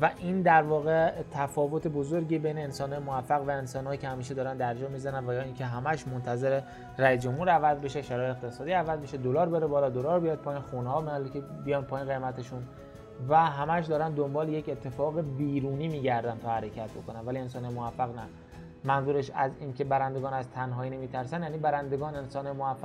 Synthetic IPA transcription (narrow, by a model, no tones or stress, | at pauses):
væʔiːnd̪æɾvɒːɣet̪ʰæfɒːvo̞t̪ʰebozoɾɟiːbejneːnsɒːnhɒːjmovæfːæɣvæensɒːnhɒːjicʰehæmiːʃ̬ed̪ɒːɾænd̪æɾd͡ʒɒːmiːzænænvæjɒːiːncʰe̞ɦæmæʃmont̪ʰæze̞ɾe | ræisd͡ʒo̞mhuːɾævæzbe̞ʃeʃæɾɒːjeext̪ʰe̞sɒːd̪iːævæzbeʃed̪o̞lɒːɾbe̞ɾebɒːɾɒd̪o̞lɒːɾbijɒd̪̚pʰɒːjinxunehɒːbehɒːlicʰebijɒnpʰɒːjinɣejmæt̪ʰeʃun | væɦæmæʃ̬d̪ɒːɾænd̪o̞mbɒːlejecet̪ʰːe̞fɒːɣebiːɾuːniːmiːɟæɾd̪ænt̪ʰɒːhæɾe̞cʰæt̪̚bo̞̰kʰo̞nænvælie̞nsɒːnhɒjemovæfːæɣnæ | mænzuːɾeʃæziːncʰe̞bæɾænd̪e̞ɡɒːnæzt̪ʰænɦɒːiːnemiːt̪ʰæɾsænjæːniːbæɾænd̪e̞ɡɒːnensɒːnhɒmoæfːæ